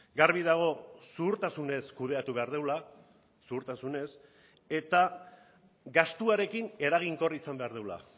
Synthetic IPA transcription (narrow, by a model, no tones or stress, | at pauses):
ɡarβ̞iðaɣ̞o̞suːɾt̪asune̞skuð̞e̞at̪uβe̞aɾð̞e̞wla | suːɾt̪asune̞s | e̞t̪a | ɡast̪uaɾe̞kine̞ɾaɣ̞iŋko̞risambe̞aɾðewla̰